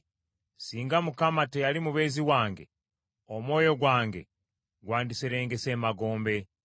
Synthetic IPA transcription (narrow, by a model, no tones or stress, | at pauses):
siːŋɡamukamatejalimuβe̞ːziwaːŋɡḛ | omwo̞ːjo̞ɡwaːŋɡe̞̰ | ɡwaːndisiɾeːŋɡesemaɡo̞ːmbe̞